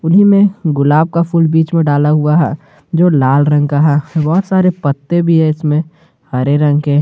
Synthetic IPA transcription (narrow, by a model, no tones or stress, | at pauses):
ʊnimẽɡʊlaːb̚kapʰʊːlbiːt͡ʃmẽɖaːlaɦuaɦɛ̰ | d͡ʒoːlaːlɾə̃ŋɡkaɦɛbɔɦːʊt̪saːɾepət̪ːebʱiɦɛɪsmẽ | hɐɾeɾə̃ŋɡɦe